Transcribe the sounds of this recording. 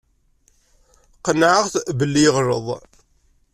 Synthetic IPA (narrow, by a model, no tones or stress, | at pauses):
qənʕəʁθbəlːiʁɾə̰ðˤ